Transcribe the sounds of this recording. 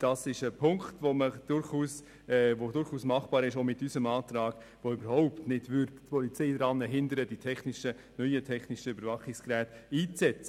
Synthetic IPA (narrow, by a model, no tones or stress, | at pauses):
d̥ɑsɪʃəpʰʊŋkχtvoməd̥ʊɾχuːs | ɛvodʊɾχuːsmɑχbɑːɾɪʃoːmɪtysəmɑːt̪ɾɑːɡ̥ | ʋoʏbəɾɦɔʊptnɪdvʏɾdtpʰɔlit͡seɪdɾɑnːəɦɪndəɾəditʰɛχnɪʃə | nœʏətʰɛχnɪʃəøbəɾvɑχɪkskɾæːtiːt͡sɛt͡sə̥